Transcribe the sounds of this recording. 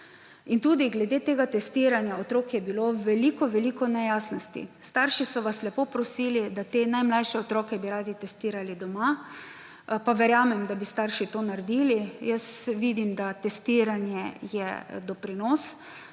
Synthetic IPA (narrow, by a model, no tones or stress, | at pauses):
int̪uːd̪iɡlɛd̪eːt̪eːɡat̪ɛst̪iːɾanjaot̪ɾoːkjɛbiloʋɛliːkɔʋɛlikɔnɛjaːsnɔst̪ḭst̪aɾʃisɔʋaslɛpoːpɾɔsiːlid̪at̪enajmlajʃɛɔt̪ɾɔːkɛbiɾaːd̪it̪ɛst̪iːɾalid̪ɔma | paʋɛɾjaːmɛmd̪abist̪aɾʃit̪oːnaɾd̪ilijəsʋiːd̪imd̪at̪ɛst̪iːɾanjɛjɛ̰d̪ɔpɾinɔs